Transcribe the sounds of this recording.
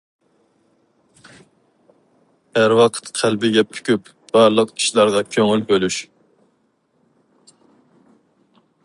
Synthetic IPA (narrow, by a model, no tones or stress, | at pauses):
æɾwɑqʰə̥t̪qʰælbɪɡʲɛpʰy̥kʲyp | b̥ɑɾlˠəqi̥ʃlˠɑɾʁɑkʲʰøŋylbølyʃ